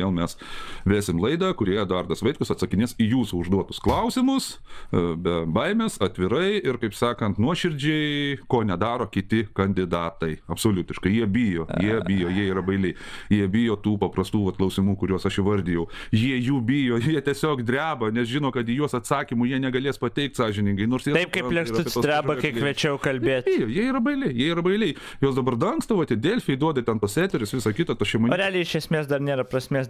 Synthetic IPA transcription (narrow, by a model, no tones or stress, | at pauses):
eːlˠmʲɛsʋʲæːsʲɪmlˠɐɪd̪ɐkʊɾʲiːɛd̪ɐrd̪ɐsʋɐɪtkʊsɐt̪sɐkʲɪnʲɪsijuːsuʊʒd̪uɔt̪ʊsklˠɐʊsʲɪmʊs | bʲɛbɐɪmʲeːsɐt̪ʲʋʲɪɾɐɪɪrkɐɪpsɑːkɐnt̪nuɔʃʲɪɾʲd͡ʒʲɛɪkoːnʲɛd̪ɑːɾoːkʲɪt̪ʲɪkɐnʲd̪ʲɪd̪ɑːt̪ɐɪɐpsoːlʲʊt̪ʲɪʃkɐɪjiɛbʲɪjoːjiɛɪjoːjiɛiːɾɐbɐɪlʲɪɪ | jiɛbʲɪjoːt̪uːpɐprɐst̪uːʋɐt̪klˠɐʊsʲɪmuːkʊɾʲuɔsɐʃɪʋɐrʲd̪ʲɪjɛʊjiɛjuːbʲɪjoːjiɛt̪ʲiɛsʲoːkd̪ʲrʲæːbɐnʲɛsʒʲɪnoːkɐt̪jɪjuɔsɐt̪sɑːkʲimʊjiɛnʲɛɡɐlʲeːspɐtʲɛɪk̚t̪sɑːʒʲɪnʲɪŋɡɐɪnoːrsjiɛɐɪp̚kɐɪlʲɛŋksɐʊɪsoːd̪ʲɾʲæːbɐkɐɪkʋʲɛt͡ʃʲɛʊkɐlʲbʲeːt̪bɪjoːjiɛiːɾɐbɐɪlʲɪjiɛiːɾɐbɐɪlʲɛɪ | joːsd̪ɐbɐrd̪ɐŋkst̪ɐʋoːt̪ʲɪdʲelʲfʲɪɛɪd̪uɔd̪ɐt̪ʲɛnt̪uɔssʲæːt̪ʲɛɾʲʊsʋʲɪsɐkʲɪt̪ɐt̪ɐʃʲɛmonʲoːɾʲæːlʲiɛɪʃʲɛsʲmʲeːsd̪ɐrnʲeːɾɐpɾɐsʲmʲeːs